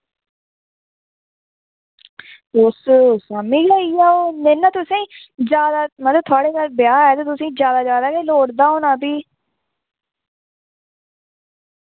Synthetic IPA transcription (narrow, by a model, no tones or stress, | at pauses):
tʊssaːmĩːɡaːiːaːoːnenaːt̪ʊsẽːd͡ʒjaːd̪aːmət̪ləb̚t̪ʰʊaːɽeːkaɾbɪjaːɛːt̪et̪ʊsẽːzjaːd̪aːd͡ʒjaːd̪aːkeloːɽd̪aːɦoːnãːpiː